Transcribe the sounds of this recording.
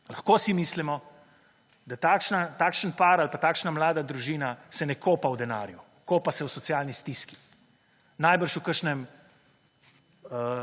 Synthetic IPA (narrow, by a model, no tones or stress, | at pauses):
laxkosimiːslimɔ | d̪at̪aːkʃnat̪aːkʃənpaːɾalpat̪aːkʃnamlaːd̪ad̪ɾuʒiːnasɛnɛkʰoːpawd̪ɛna̰ːɾju | koːpasɛwsɔtsjaːlnist̪iski̥ | naːjbəɾʃukəɾʃnɛm | ə